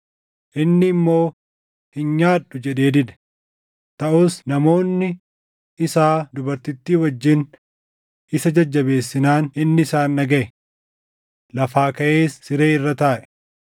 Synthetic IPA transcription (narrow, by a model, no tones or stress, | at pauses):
ʔɪnːɪːmːo̞ː | hɪnɲaːᶑʊd͡ʒɛᶑe̞ːd̪ɪᶑɛ̥ | t̪ɐʔuːsnɐmo̞ːnːɪ | ɪsaːd̪ʊbɐɾt̪ɪt̪ːiːwɐd͡ʒːɪn | ʔɪsɐd͡ʒɐd͡ʒːɐbe̞ːsːɪnaːnɪnːɪɪsaːnːɐɡɐʔɛ | lɐfaːkɐʔe̞ːsːɪɾe̞ːɪrːɐt̪aːʔɛ̥